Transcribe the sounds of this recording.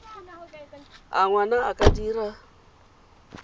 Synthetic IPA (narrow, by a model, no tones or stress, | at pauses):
a̰ŋwanaakʼadiːɾa